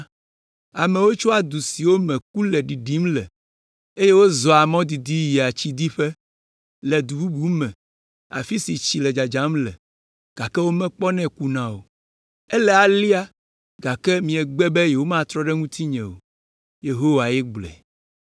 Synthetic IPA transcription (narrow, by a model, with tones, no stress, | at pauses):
a˨mɛ̃˨wo˦t͡ʃɔ˦a˨d̪u˨si˨wo˦mɛ̃˨ku˦lɛ˨ɖi˨ɖi˦mlɛ̰˨ | e˦je˦wo˦zɔ˨a˨mɔ̃˦d̪i˨d̪i˦ji˨a˨t͡ɕi˦d̪i˦ɸɛ˦ | lɛ˨d̪u˨bu˦bu˦mɛ̃˨ | a̰˨fi˦si˨t͡ɕi˨lɛ˨d͡ʒa˨d͡ʒa˨˦mlɛ̰˨ | ɡ̥a˨kɛ˦wo˦mɛ̃˦k͡pɔ˦nɛ̃˦ku˦nã˦wo˨ | ɛ˦lɛ˨a˨li˦a˦ | ɡa˨kɛ˦mĩ˨ɛ˨ɡ͡bɛ˦bɛ˦jɛ˨wo˦mã˦t̪ɾɔ˦ɖɛ˦ŋũ˦t̪ʰi˦ɲɛ̃˨wo̰˨ | je˨ɦo˦wa˨jɛ˦ɡ͡blɛ̰˨